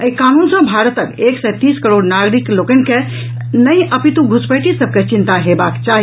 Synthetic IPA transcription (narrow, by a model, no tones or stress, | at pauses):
əikanunsə̃bʱaɾət̪əkeksɛjt̪iskəɾoɽnaɡɾiklokənke | nəjʔəpit̪ũɡʱuspəʈisəb̚ʱket͡ʃint̪aɦebakt͡ʃaɦi